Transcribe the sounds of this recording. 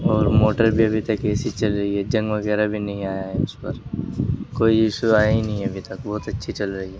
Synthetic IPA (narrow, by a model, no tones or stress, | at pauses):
ɔːɾmoːʈəɾbʱiɐbʱit̪ɐkːɛːsit͡ʃɐlɾɐɦiɦɛd͡ʒɐ̃ŋɡʋɐɣɛːɾabʱinɐɦĩaːjaɦɛʊspɐɾ | koːiɪʃuaːjinɐɦĩɐbʱit̪ɐkbɔːt̪ɐtːʃʰit͡ʃɐlɾɐɦiɦɛː